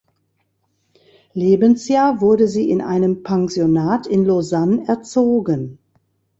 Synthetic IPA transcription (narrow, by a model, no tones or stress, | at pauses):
leːbənsjaːɐvʊɐdəziːɪnʔa̰ɪnəmpʰɛŋzjonaːtʰɪnlozanɛɐt͡soːɡən